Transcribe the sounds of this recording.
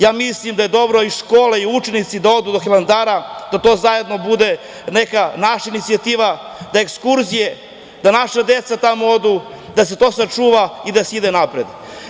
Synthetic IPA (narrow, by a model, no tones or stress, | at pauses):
jaːmislimd̪ajed̪o̞bɾo̞iʃkoːleiut͡ʃenit̪sid̪ao̞d̪uːd̪oxiland̪aːɾad̪̥at̪o̞ːzaje̞d̪no̞bud̪e | nekanaʃainit̪siat̪iːʋa | d̪aekskuɾzije | d̪anaʃad̪e̞t̪sat̪amood̪u | d̪ase̞t̪o̞ːsat͡ʂuːʋaid̪aseid̪enapɾed̪